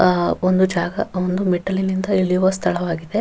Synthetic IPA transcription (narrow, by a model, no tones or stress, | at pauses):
ond̪ud͡ʒaːɡɐ̰ond̪umiʈːɐlinind̪ɐiɭijuʋɐst̪ʰɐɭɐʋaːɡid̪e̞